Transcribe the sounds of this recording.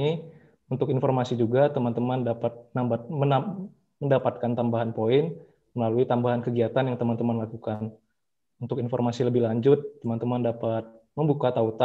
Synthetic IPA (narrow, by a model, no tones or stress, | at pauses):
i | unt̪ʊkinformasid͡ʒuɡat̪əmant̪əmandapat̪̚nambat̪̚mən | məndapat̪̚kant̪ambaɦanpoɪn | məlaluit̪ambaɦankəɡiat̪anjaŋt̪əmant̪əmanlakukan | unt̪ʊkinformasiləbɪhlaɲd͡ʒʊt̪ːəmant̪əmandapat̪̚məmbukat̪aut̪a